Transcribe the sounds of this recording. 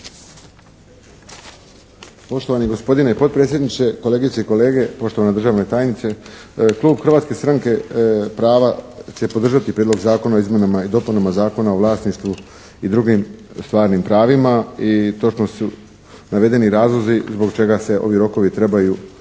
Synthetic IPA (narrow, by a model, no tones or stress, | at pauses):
po̞ʃt̪o̞ʋaniɡo̞spo̞d̪ineipo̞t̪̚pɾeːt̪sjed̪nit͡ʃe̞ko̞leːɡiseiko̞le̞ːɡe̞po̞ʃt̪o̞ʋanad̪r̩ʒaːʋne̞t̪aːjnit̪se̞klˠuːbxr̩ʋaːt̪ske̞st̪ɾaŋke̞pɾaːʋat͡ɕe̞po̞d̪r̩ʒat̪ipɾiːd̪lo̞ɡzaːko̞naoizmjenamaid̪o̞punamazaːko̞naoʋlˠaːsniʃt̪ʋu | id̪ɾuɡim | st̪ʋaːɾnimpɾaːʋimait̪o̞t͡ʃnosu | naʋe̞d̪e̞niɾaːzlˠo̞zizbo̞ɡt͡ʃe̞ɡase̞o̞ʋiɾo̞ko̞ʋit̪ɾe̞baju